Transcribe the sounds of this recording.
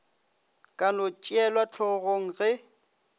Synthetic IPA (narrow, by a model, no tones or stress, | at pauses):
kʼanʊt͡ʃʼiɛlwat͡ɬʰɔɣoŋ̩ɣɪ